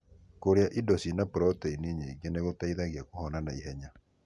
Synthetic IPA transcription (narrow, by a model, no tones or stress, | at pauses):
koɾjaʔidɔsinapɾɔtɛiniɲeiɡeneɣotaiðaɣjakohɔnanaiɦɛɲa